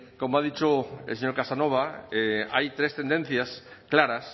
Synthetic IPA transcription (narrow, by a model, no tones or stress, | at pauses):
komoaðit͡ʃoḛseɲoɾkasanoβ̞aeajt̪ɾest̪end̪ẽn̟θjasklaɾɐs